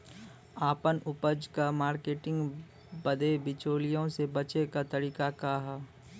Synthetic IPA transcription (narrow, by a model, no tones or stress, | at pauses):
aːpənʊpəd͡ʒkamaːɾkeːʈɪ̃ŋɡ | bəd̪ebɪt͡ʃoːlijõsebɐt͡ʃekat̪ɐɾiːkakaɦa